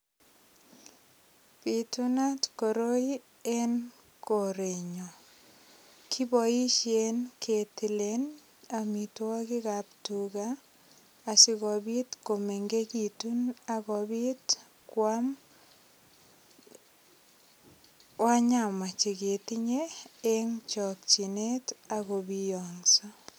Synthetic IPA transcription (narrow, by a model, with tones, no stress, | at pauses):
pituna˦tkoɾo˦i | e˦n | ko˨ɾe˨ɲɔ˨ | kʰi˦bɔ˨i˦ʃje˦nkʰe˨ti˨len | a˨mitwa˦kɪ˦kaptuɡaː˨ | sɪɣɔbi˦tko˨me˨ŋɡe˦kituna˨ɣɔbi˦t | kwam | wa˦ɲa˨ma˨t͡ʃe˨ɡe˨ti˦ɲe˦e˦ŋt͡ʃɔ˨k̚t͡ʃi˨ne˦ta˨ɣo˨bi˦jɔŋsa˦